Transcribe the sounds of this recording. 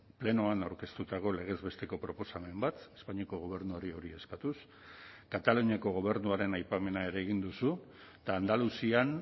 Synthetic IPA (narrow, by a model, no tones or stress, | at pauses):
ple̞noanawɾke̞st̪ut̪aɣo̞le̞ɣ̞e̞zβe̞st̪e̞ko̞pɾo̞po̞same̞mbat̪e̞̥spaɲiako̞ɣ̞o̞β̞e̞ɾnuoɾio̞ɾie̞skat̪us | kat̪aluɲiako̞ɣ̞o̞β̞e̞ɾnuaɾe̞najpame̞nae̞ɾe̞ːɣind̪usu | t̪aːnd̪alusian